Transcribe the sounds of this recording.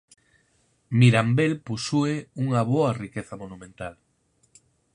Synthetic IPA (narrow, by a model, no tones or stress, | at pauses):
miɾambelpusueuŋɐβoɐrikeθɐmonumẽnt̪al